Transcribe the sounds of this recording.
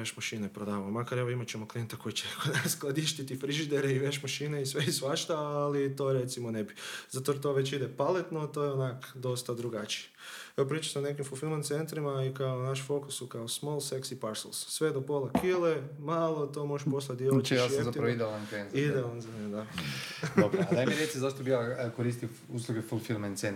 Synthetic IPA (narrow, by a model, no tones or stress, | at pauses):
eʃmaʃinepɾod̪aːʋamomakaɾeʋo̞imat͡ɕemoklijent̪ako̞jit͡ɕekʰod̪nasklˠad̪iʃt̪it̪ifɾiʒid̪eɾeiʋeʃmaʃineisʋeisʋaʃt̪aalit̪oɾet̪simonebiz̥at̪oɾt̪o̞ʋe̞t͡ʃid̪epalet̪not̪o̞jeonakd̪o̞st̪ad̪ɾuɡat͡ʃi̥e̥eʋopɾiːt͡ʃḁseone̞k̬imfufilmant̪se̞nt̪ɾimaikaonaʃfo̞ku̥sukaosmolˠseksipaɾslˠssʋed̪opolakʰilemaːlˠot̪o̞moʒeʃposlˠad̪jeljasjezaiɾaid̪elank̪enzid̪eonzaned̪adobɾad̪ajmmiɾjesizaʃt̪obiakoɾist̪i | uslˠuɡefulfilmant̪sen